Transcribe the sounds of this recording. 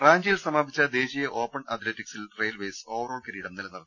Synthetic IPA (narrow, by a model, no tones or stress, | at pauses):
raːɲd͡ʑijilsɐmaːbʱit͡ɕːɐd̪e̞ːɕijɐʔo̞ːpːɐɳɐ̰t̪ʰletːiksilrejɐlʋeːso̞ːʋɐro̞ːɭkeɾiːɽɐmnilɐnːɐrɐnɨ